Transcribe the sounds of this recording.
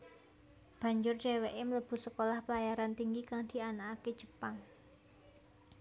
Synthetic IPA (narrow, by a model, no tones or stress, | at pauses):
b̥a̤ɲd͡ʒʊrd͡ʒ̥ewɛʔɪmələb̥ṳsəkolahpəlajaɾant̪iŋɡikaŋd̪̥i̤anaːke̥ʒ̥ə̥paŋ